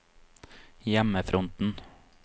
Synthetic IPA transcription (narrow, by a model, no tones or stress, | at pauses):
jɛməfɾʔɔnt̪n̩